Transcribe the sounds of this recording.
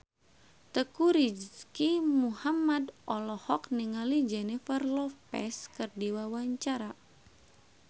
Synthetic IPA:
t̪əkuɾid͡ʒskimuhamadʔɔlɔhɔkniŋalid͡ʒɛnifərlɔpɛ̰skərdiwawaɲt͡ʃaɾa

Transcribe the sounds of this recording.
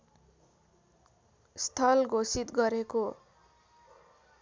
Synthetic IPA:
st̪ʰʌlɡʱosit̪ɡʌɾeko

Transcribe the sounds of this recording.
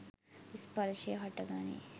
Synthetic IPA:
ʋispɐɾɐʃeːɦɐʈːɐɡaːnḭ

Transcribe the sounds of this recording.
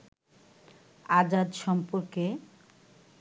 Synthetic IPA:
ad͡ʑad̪ʃɔmpoɾke

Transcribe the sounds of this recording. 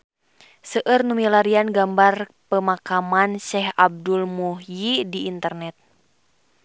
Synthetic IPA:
səʔərnumilaɾianɡambarpəmakamanʃɛɦab̚dulmuhjidiʔːnt̪ərnɛt̪̚

